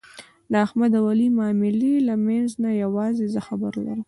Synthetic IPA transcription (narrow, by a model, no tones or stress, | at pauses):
d̪əaxmad̪awalimɑmɪlilamanznajawɑzezəxabə̰ɾla̰ɾəm